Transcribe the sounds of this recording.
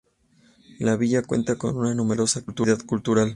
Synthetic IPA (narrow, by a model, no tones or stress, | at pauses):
laβiʝakwe̞̰nt̪ako̞̰nunanume̞ɾo̞sakult̪uðaðkult̪uɾal